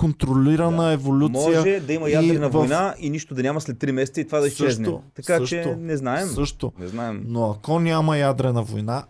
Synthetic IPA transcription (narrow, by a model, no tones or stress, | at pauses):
kont̪ɾoliɾɐnəɛvolʲutmsɔijʒəɛd̪ɐimɐjadiɾɛnɐvvɐnainiʃt̪od̪ɐnʲamɐslɛt̪ːɾimɛsɛt̪əit̪ovad̪ɐiʃst͡ʃɛʃznɛot̪ɐskaʃt͡ʃɛnɛznaɛsmɤʃt̪onɛ̰znaɛmnoɐkɔnʲamɐjad̪ɾɛnɐvojna